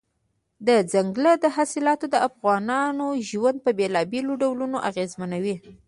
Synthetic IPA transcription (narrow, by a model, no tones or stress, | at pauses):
d̪əd͡zaŋɡləd̪əɦasɪlɑt̪od̪əʔafɣɑnɑnoʒwand̪̚pəbelɑbeloɖawlunoʔaɣezmanawi